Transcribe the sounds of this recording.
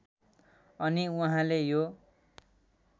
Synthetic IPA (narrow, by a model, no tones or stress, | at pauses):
ʌniuɦãlejo